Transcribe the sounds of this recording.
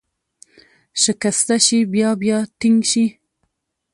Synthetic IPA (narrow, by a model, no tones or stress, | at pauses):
ʃəkast̪aʃibjɑbjɑt̪iŋɡʃi